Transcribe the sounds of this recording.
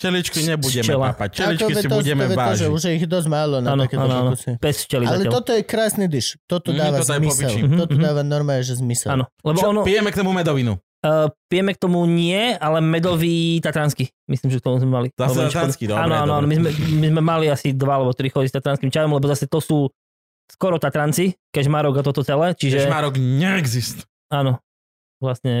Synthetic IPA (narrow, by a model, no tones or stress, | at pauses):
t͡ʃɛlit͡ʃkiɲɛbuɟɛmmɛlapact͡ʃɛlit͡ʃɔkiɛɛbɟɛmɛɛvaɔʒɛuʒjɛiɣjɛd̪ɔzmaːlɔnaːnɔkɛaːnɔanɔɔsɛb̥ɛst͡ʃɛlizaalɛɛlɔt̪ɔjɛkɾaːsnid̪iʃt̪ɔt̪ɔd̪aːʋaɔɔjɛmiɔsiɦ̩̪ɔt̪ɔɦ̪aːʋanɔɾmaɛʒɛzmisɛanɔlɛbɔɔnɔpijɛmɛkt̪ɔmumɛd̪ɔʋinṵ | pijɛmɛk̚t̪ɔmuɲɪɛalɛmɛd̪ɔʋiːt̪at̪ɾanski | misliːmʒɛkt̪ɔmuzmɛmalizalɛat̪ɾaskid̪ɔaːnɔanɔanɔmizmɛmizmɛmaliasid̪ʋaalɛbɔt̪ɾixɔdist̪at̪ɾanskimt͡ʃajɔmlɛbɔzasɛt̪ɔsuː | skɔɾɔt̪at̪ɾant͡sikɛʒmaːɾɔɡat̪ɔt̪ɔt͡sɛlɛːt͡ʃiʒɛmaːɾɔɡɲɛɛɡzist̪ | aːnɔ | ʋlasɲɛ